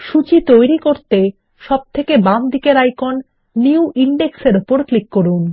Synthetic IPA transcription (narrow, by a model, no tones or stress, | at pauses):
ʃut͡ɕit̪ojɾikoɾt̪e | ʃɔb̚t̪ʰekebamd̪ʱikeɾajkonː | iuʔiɳɖekseɾupoɾklikːoɾun